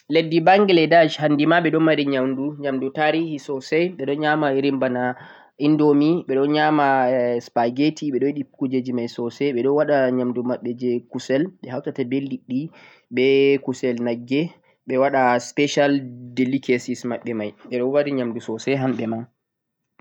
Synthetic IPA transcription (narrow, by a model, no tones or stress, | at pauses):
ledːibaŋɡɛlɛdad͡ʒhandimaɓɛɗɔnwaɾiɲamduɲamdutaɾihisɔsɛjɓɛɗɔnɲamaɾimbana | indomiɓɛɗɔnɲamaspaɡetʰiɓɛɗɔjiɗikud͡ʒed͡ʒimajsɔsɛɓɛɗɔwaɗaɲamdumaɓːɛd͡ʒɛkusɛlɓɛhawtatabeldiɗːi | ɓɛkusɛlnaɡːɛ | ɓɛwaɗaspɛʃaldelikesismaɓːɛmajɓɛɗɔwaɾiɲamdusɔsɛɦamɓɛma